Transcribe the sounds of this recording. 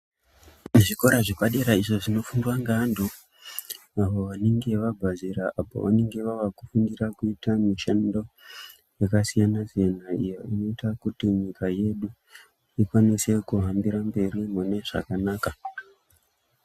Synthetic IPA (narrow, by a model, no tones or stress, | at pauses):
ʐiko̞ɾaʐekaɗe̞ɾaiʐo̞ʐino̞fundwaŋɡandu | aʋo̞ʋaneŋɡe̞ʋaɡʱaziɾaʔapo̰ʋa̰ne̞ŋɡe̞ʋaʋakufundirakuitamiʃando̞ | jekasijanazijanaijoino̞itakutiɲikaje̞ɗu | ikwanise̞kuɦambiɾambe̞ɾimune̞ʐa̰kanaːka